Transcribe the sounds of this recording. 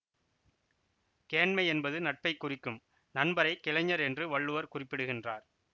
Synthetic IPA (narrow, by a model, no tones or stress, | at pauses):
keːɳmɐɪɛnbɐðɯnɐʈ̚pɐɪkːʊrɪkːɯm | nɐnbɐɾɐɪkːɪlɐɲːɐɾɛndrɯʋɐɭːɯʋɐɾkʊrɪpːɪɽɯɣɪndraːɾ